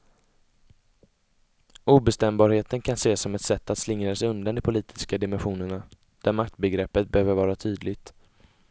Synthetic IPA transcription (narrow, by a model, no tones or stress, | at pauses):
uːbɛst̪ɛmbɑːɾheːt̪ənkʰanseːsɔmɛt̪sɛt̪ːat̪slɪŋɾasɛɵnd̪and̪ɪpʰʊliːt̪ʰɪ̥skad̪ɪmɛnɧuːnəɳa | d̪̥æɾmak̚t̪bɛɡɾɛpːət̪̚bɛhøːvəɾvɑːɾat̪ʰyːd̪lɪɡt̪